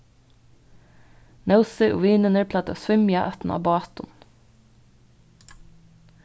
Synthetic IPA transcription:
nɑʊsəʔo̰ːʋiːnənəɹpʰlɑːt̪ə̰sʋʏmjɑʔœt̪n̩ʔɑ̰ːbɑːt̪ʊn

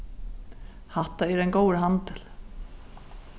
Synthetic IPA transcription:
haht̪ːaɛɾɛnkoːwɾɦant̪ɪl

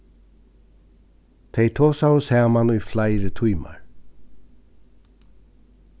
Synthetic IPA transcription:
t̪ʰejt̪ʰoːsawsaːmanʊjflaɪɾət̪ʰujma̰ɹ

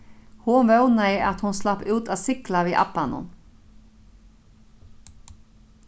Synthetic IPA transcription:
huʋœʉnɑiɪːʔɑt̪hʊnslɑpʉːt̪ʰɑːsɪklɑʋiːʔɑ̰bɑnɔ̰n

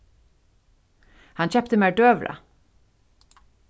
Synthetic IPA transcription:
hɑnçɛpt̪əmeːɖøːʋɾə̰

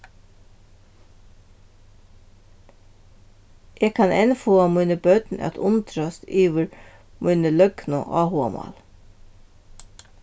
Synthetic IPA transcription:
ʔeːɡkʰɑnɛnfoːamujnəbœt̪nʔɛ̰t̪ʰʊnt̪ɾast̪iːʋɪɾmʔʊjnəlœknʊ̰ʔɑ̰ːhʊa̰mɑ̰l

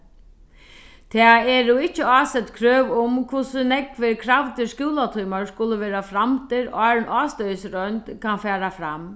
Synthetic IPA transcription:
t̪ʰɛːɛɹuɪt͡ɕːəaːsɛt̪kʰɾøːʋʊmkʰvʊsənɛkʋɪɾkʰɾaʋt̪ɪskuːlat̪ʰuːmaɹskʊlːəʋeːɾafɾamt̪ʰɪɾɑːɹnʔɑːst̪œjəsɾœnt̪kʰanfæːɾafɾam

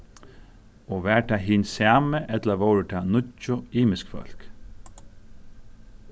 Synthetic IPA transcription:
ɔːʋæːʈʰaːɦɪːnsjaːməʔɛt̪ləʋɔwɾəʈ̪ʰaːnʊcːʊiːmɪskfœ̰l̥k

